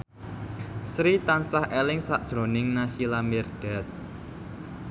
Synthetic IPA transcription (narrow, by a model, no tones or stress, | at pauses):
sɾit̪ansahʔelɪŋsaʔd̥ʒ̥ɾo̤nɪŋnaʃilamɛrɖ̥ɛ̤t̪̚